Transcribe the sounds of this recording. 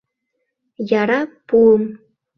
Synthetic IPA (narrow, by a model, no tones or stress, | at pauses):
jɑɾɑpuɤ̆m